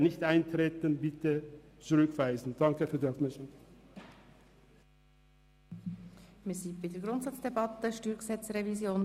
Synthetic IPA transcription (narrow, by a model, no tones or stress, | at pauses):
nɪçtʔaɪntʁeːtənbɪtə | t͡sʊɾʏkv̥aɪzn̩d̥ɑŋkəfyːɐdɛfmɛʃən | misiːbadɛɡɾʊntsɑt͡sd̥ebɑt̪əʃtyːɾɡsɛt͡sɾevizjoːn